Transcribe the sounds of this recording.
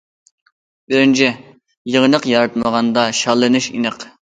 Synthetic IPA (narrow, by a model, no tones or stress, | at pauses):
bɪɾɪnt͡ʃʰɪ | jəʁnəqjɑɾɨt̪̚məʁɑnd̪ɑʃɑlˠːɨnuʃḭnəq